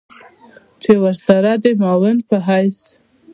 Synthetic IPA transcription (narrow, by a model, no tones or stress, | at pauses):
t͡ʃewəɾsaɾad̪əmɑwɪnpəɦajs